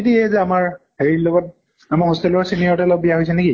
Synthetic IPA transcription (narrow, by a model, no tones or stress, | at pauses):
etiɛzɛamaɹheɹilɔɡɔt̚ | amahɔstelɔɹsinijɔɹtɛlɔɡ̚bijaɦojsɛneki